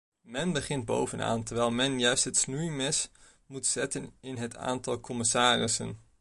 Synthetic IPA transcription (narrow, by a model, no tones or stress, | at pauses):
mɛnbəχɪnt̚bo̰wvəna̰ːntəɹʋɛjlˠmɛnjœɥstɦətsnujmɛs | mutsɛtənɪnɦətʰa̰ːntɑlˠkɔmɪsaːrɪsə̰n